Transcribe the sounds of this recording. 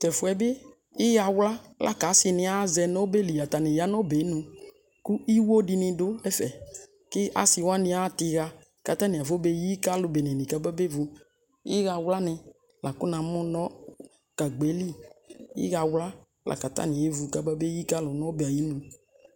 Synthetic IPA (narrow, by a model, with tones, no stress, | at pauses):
t̪ɛ˨fʊ˨˦ɛ˨bɪ˦ | ɪ˦ɣa˨wla˦lʔa̰˦ka˨˦sɪ˨nɪ̃˨a˦zɛ˨nɔ˦be˦li˨ja˨t̪a˨nɪ̃˨ja˦nɔ˦be˨˦nũ˧ | ku˦i˦wo˦dɪ˧nɪ̃˧dʊ˦lɛ˦fɛ˨ | kɪ˦ʔa̰˦sɪ˨wa˦nɪ̃˧a˦t̪ɪ˨ɣa˧ | ka˨t̪a˦nɪ˨a˨vo˦be˦ji˦ka˦lʊ˨be˨nɛ̃˨nĩ˨ka˦ba˦be˦vu˨ | ɪ˦ɣa˨wla˦nɪ̃˨ | la˨kʊ˦nã˨mʊ̃˦nɔ̃˦ | ka˨ɡ͡be˨˦li˦ɪ̰˦ɣa˨wla˦ | lʔa̰˨ka˨t̪a̰˦nɪ̃˨e˦vu˨ka˨ba˦be˦ji˦ka˦lʊ˨nɔ̃˦be˨a˨ji˦nũ˨